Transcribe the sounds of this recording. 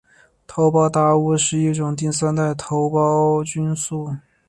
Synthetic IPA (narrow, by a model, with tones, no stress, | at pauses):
t̪ʰo˧˥ʊpɑ˥ʊt̪a˥˩u˥ʂɻ̩˥˧i˥˩ʈ͡ʂʊ˨˩ŋt̪̬i˥˩ŋs̬a˥nt̪a˥˩ɪt̪ʰo˧˥ʊpɑ˥ʊt͡ɕy˥nsu˥˩